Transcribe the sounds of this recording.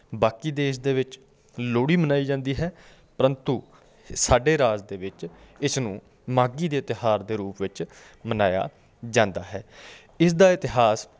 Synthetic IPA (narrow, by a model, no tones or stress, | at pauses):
baːkiːd̪eːʃd̪eːʋɪt͡ʃ | loːɽiːmənaːiːd͡ʒãːnd̪iːɦɛː | pəɾə̃nt̪uː | saːɖeːɾaːzd̪eːʋɪt͡ʃɪsnũː | maːɡiːd̪eːɪt̪ɪɦaːɾd̪eːɾuːpʋɪt͡ʃ | mənaːja̰ː | d͡ʒãːnd̪a̰ːɦɛː | ɪsd̪aːɪt̪ɪɦaːs